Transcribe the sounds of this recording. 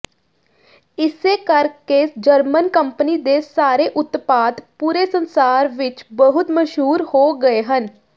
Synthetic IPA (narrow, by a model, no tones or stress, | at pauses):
ɪseːkəɾked͡ʒəɾmənkəmpəniːd̪eːsaːɾeːʔʊt̪paːt̪puːɾeːsənsaːɾʋɪt͡ʃbəɦʊt̪məʃɦuːɾhoːɡəeːɦən